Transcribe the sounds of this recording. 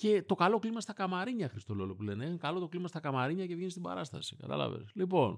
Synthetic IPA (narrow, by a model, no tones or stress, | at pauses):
ce̞t̪o̞kɐlo̞klimɐst̪ɐkɐmɐɾiɲɐxɾist̪o̞lo̞lopule̞neekɐlo̞t̪o̞klimɐst̪ɐkɐmɐɾiɲɐce̞vʝenist̪ibɐ̰ɾɐst̪ɐ̰si̥kɐt̪ɐ̰lɐ̰vḛslipo̞n